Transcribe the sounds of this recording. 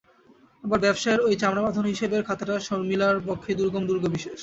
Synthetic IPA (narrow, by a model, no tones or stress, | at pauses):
abaɾbɛbʃaeɾojt͡ɕamɽamad̪ʱonɦiʃebeɾkʰat̪aʈaʃɔɾmilaɾpɔkʰːed̪uɾɡomd̪uɾɡʱobiʃeʃ